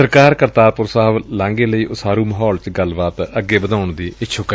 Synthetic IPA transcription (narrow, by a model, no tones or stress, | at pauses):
əɾkaːɾkəɾt̪aːɾpʊɾsaːəʋlãːŋɡeːləiːʔʊsaːɾuːməɦɔːlt͡ʃɡəlbaːt̪əɡeːbəd̪ãːʊɳd̪iːʔɪtːʃʰoːkə